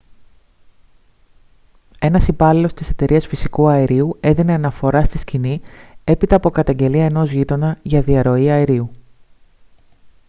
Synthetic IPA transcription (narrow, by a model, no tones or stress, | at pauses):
e̞nɐsipɐlilo̞st̪ise̞t̪e̞ɾiɐsfisikuɐeɾiue̞ðine̞ɐnɐfo̞ɾɐst̪iscinie̞pit̪ɐːpo̞kɐt̪ɐɲɟe̞liɐe̞no̞zʝit̪o̞nɐʝɐðiɐɾo̞iɐeɾiu